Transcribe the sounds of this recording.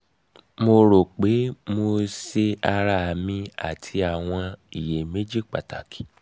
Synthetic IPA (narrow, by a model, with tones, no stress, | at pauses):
mo˧ɾo˨k͡pe˨˦mo˧se˧a˧ɾa˦˨mĩ˧a̰˦˨tʰi˧a˨w̃ɔ̃˧i˨je˨me˦d͡ʒi˦k͡pa̰˨ta̰˨ki̥˨